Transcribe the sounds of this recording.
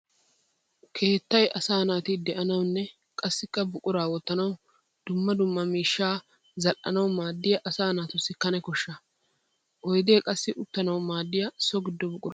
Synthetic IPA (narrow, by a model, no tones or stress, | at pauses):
kʰe̞ːt̪ːɐjʔɐsaːnaːt̪ɪd̪ɛʔɐnɐwnːɛ | kʼɐsːɪkːɐbʊkʼʊɾaːwɔt̪ːɐnɐw | d̪̥ʊmːɐd̪ʊmːɐmiːʃːaː | zɐlʔʔɐ̰nɐwmaːd̪ːɪjɐʔɐsaːnaːt̪ʊsːɪkɐnɛkɔʃːɐ | ʔɔjd̪eːkʼɐsːɪʔʊt̪ːɐnɐwmaːd̪ːɪjɐsɔɡɪd̪ːɔbʊkʼʊɾɐ